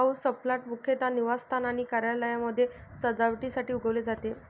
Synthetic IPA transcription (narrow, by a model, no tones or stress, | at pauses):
ausəplaʈ̚mukʰjet̪aniʋast̪ʰanaɽ̃ikaɾjaləjaməd̪ʱːjesəd͡zaʋʈisaʈiːuɡʱəʋled͡zat̪e